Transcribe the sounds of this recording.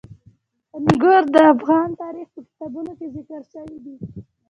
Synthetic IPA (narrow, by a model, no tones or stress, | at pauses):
ənɡəɾd̪əafɣɑnt̪ɑɾixpəkɪ̥t̪ɑbunokezɪkəɾʃəwid̪i